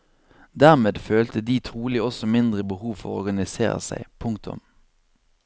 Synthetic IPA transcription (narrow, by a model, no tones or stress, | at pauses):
d̪æːʁmeːd̪føːlt̪əd̪iːt̪ʰʁuːlɪɔsɔmɪnd̪ʁəbəhuːʋfɔʁɔʁɡɑnɪsḛːʁə̰sæ̰ɪpʰʊŋk̚t̪ʰʊ̰m